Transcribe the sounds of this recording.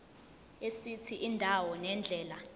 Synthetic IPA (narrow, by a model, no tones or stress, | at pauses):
esit͡sʰiʔindʱawɔnɛnd͡ɮʱɛːla